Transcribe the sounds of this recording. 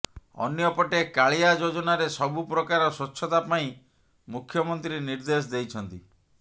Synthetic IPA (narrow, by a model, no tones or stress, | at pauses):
ɔ̰njɔpɔʈekaɭiad͡ʒod͡ʒɔnaɾesɔbupɾɔkaɾɔsot͡ʃːʰɔt̪apaĩ | mukʰjɔmɔnt̪ɾiniɾd̪es̬d̪ejt͡ʃʰɔnt̪i